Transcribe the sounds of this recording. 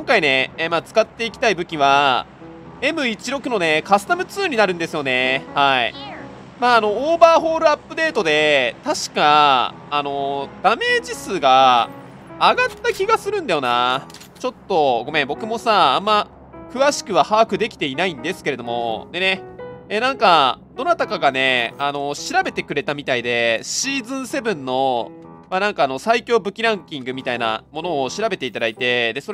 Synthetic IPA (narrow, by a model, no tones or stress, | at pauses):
kõŋkaine̞eːmaːt͡sɨ̥kat̪ːe̞ikʲi̥t̪aibɯ̟kʲiβa | e̞mɯ̟it͡ɕiɾo̞kɯ̟no̞ne̞kasɨ̥t̪amɯ̟t͡sɨːɲ̟inaɾɯ̟̃nd̪e̞sɨjo̞ne̞haḭ | maːno̞oːbaːɦo̞ːɾɯ̟apːɯ̟d̪e̞ːt̪o̞d̪e̞t̪aɕi̥kaː | no̞d̪̥ame̞ːd͡ʑisɨːɡaː | ɡat̪ːakʲiɡasɨɾɯ̟̃nd̪ajo̞na | t͡ɕo̞t̪ːo̞ɡo̞mẽ̞mbo̞kɯ̟mo̞saãmːa | kɯ̟βaɕi̥kɯ̟βahaːkɯ̟d̪e̞kʲi̥t̪e̞inaĩnd̪e̞sɨ̥ke̞ɾe̞d̪o̞mo̞d̪e̞ne̞enãŋkad̪o̞nat̪akaɡane̞ano̞ɕiɾabe̞t̪e̞kɯ̟ɾe̞t̪amʲit̪aid̪e̞ɕiːzɨ̃ɰ̃se̞bɯ̟̃nːo̞ | manãŋkaːno̞saikʲo̞ːbɯ̟kʲiɾãŋkʲĩŋɡɯ̟mʲit̪aina̰mo̞no̞ːɕiɾabe̞t̪e̞it̪ad̪ait̪e̞d̪e̞so